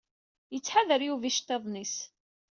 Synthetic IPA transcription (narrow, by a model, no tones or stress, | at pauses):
jət͡sːħaðəɾjuviʃt̪eðˤnis